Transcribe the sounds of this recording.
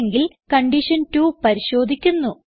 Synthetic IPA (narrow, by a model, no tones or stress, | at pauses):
ŋɡil | kɐɳɖiʂɐntupɐɾiɕo̞ːd̪ʱikʲːunːu